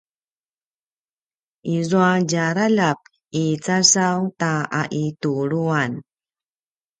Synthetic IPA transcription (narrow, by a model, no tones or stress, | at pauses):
ʔizuaɟaɾalap̚ | it͡sasawtaaʔituɾuan